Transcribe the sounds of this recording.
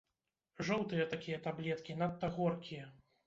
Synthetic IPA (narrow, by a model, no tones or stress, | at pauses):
ʐɔwt̪ɨjɐt̪akʲijɐt̪ablʲɛt̪kʲinat̪ːɐɣɔrkʲijɐ